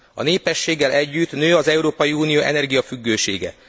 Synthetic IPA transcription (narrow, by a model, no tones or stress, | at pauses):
ɒ̰neːpɛʃːeːɡːɛlʔɛɟːyt̪nøːɒzɛuɾoːpɒjiuːnijoːʔɛ̰nɛrɡijɒfyɡːøːʃeːɡɛ̰